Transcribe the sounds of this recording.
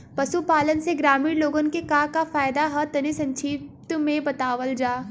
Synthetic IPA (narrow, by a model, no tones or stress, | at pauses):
pɐsupaːlənseɡɾaːmiːɾloːɡənkekaːkafaːjd̪aɦɐt̪ɐnisɐ̃ɲt͡ʃʰiːt̪mẽbɐt̪aːʋəld͡ʒaː